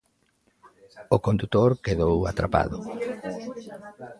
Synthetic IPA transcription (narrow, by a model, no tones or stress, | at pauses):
ʊkond̪ut̪oɾkeðowat̪ɾapa̰ðʊ